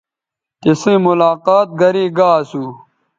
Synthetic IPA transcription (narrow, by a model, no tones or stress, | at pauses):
t̪isẽːmʊlaːqaːt̪̚ɡɐɾiːɡaːsuː